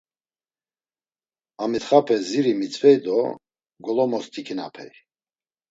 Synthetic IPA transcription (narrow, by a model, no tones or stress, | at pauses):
amit̪χapʰɛziɾimit͡sʰʼvɛjd̪ɔ | ɡɔlɔmɔst̪ʰikʰina̰pʰɛ̰j